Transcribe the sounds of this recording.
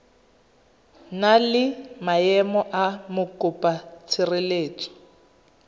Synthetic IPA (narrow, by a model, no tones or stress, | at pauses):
nalɪmaɛmɔʔamʊkʼʊpʼat͡sʰɪrɪleːt͡ʃʼɔ̥